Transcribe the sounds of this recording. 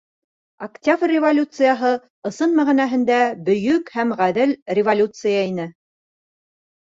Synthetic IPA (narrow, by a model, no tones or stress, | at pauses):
ɐktʲabrʲːɪvolʲut̪sɨjɑɦɤ | ɤ̆sɤnmæʁinæɦɘ̆nd̪æbɵ̆jɵkhæmʁæðɘlrʲɪvolʲut̪sɨjɑinɘ